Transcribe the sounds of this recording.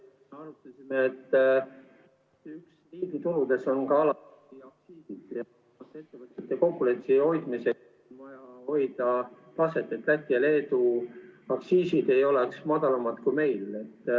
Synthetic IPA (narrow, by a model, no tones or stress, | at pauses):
eɑɾut̪ˑɑsʲimeːt̪ː | yksriːd̪it̪ulud̪̥e̞so̞nkɑɑlɑt̪ | iɑksiːsid̪̥jɑ | ɑt̪ːe̞t̪ːe̞vɤt̪ːˑet̪ːˑeko̞kːulet̪siho̞jd̪̥mise̞ | nvɑjɑho̞jd̪̥ɑ | t̪ɑse̞t̪ːˑet̪læk̪ːˑijɑle̞ːd̪uɑksiːsid̪̥e̞jo̞leksmɑd̪̥ɑlɑmɑd̪̥kujme̞jle̞t̪ː